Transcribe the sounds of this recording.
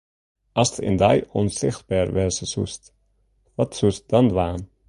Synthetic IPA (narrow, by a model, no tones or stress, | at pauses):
ʔɑstəɪ̰ndajɔnsɪ̰χt̚baːrʋɛsəsṵst | ʋɑtsust̚dɑndʋaːn